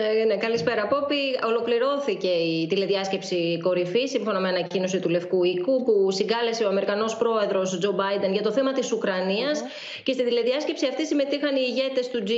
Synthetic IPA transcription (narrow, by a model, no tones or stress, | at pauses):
nekɐlispe̞ɾɐpo̞pio̞lo̞kliɾo̞θice̞it̪ile̞ðiɐsce̞psiko̞ɾifisiɱfo̞nomeɐnɐcino̞sit̪ule̞fkuikupusiŋɡɐle̞seo̞ɐme̞ɾikɐno̞spɾo̞e̞ðɾo̞sd͡ʒo̞bɐjd̪e̞nʝɐt̪o̞θe̞mɐt̪isukɾɐniɐs | ce̞st̪ind̪ile̞ðiɐsce̞psiɐft̪isime̞t̪ixɐniːʝe̞t̪e̞st̪ud͡z